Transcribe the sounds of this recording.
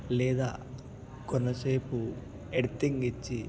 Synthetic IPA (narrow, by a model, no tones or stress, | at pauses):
lɛːd̪a̰ː | kɔnːɐseːpu | eɽit̪iŋɡit͡ʃːi